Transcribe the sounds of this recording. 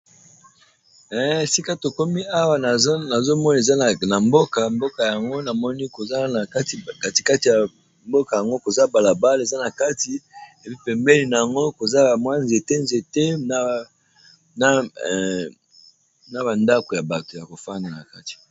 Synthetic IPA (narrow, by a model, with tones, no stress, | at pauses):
ɛ˦˨si˦ka˦to˨ko˦mi˦a˦wa˨n˨˦na˨zo˦mɔ˦n˨e˨za˦˨na˨mbo˦ka˨mbo˦ka˨ja˨ŋɡo˦na˨mɔ˦ni˦ko˨za˦n˨ka˦ti˨ka˦ti̥˨ka˦ti˨ja˨ | mbo˦ka˨ja˨ŋɡo˦ko˨za˦ba˨la˨ba˦le˨za˦na˨ka˦ti˨e˨pi˦pɛ˨mbe˦li˨na˨ja˨ŋɡo˦ko˨za˦˨mwa˦nzi˨e˨te˦nze˨te˦na˦ | na˦ | na˦ba˨nda˦ko˨ja˨ba˨to˨ja˨ko˨fa˦nda˨na̰˨ka˦ti̥˨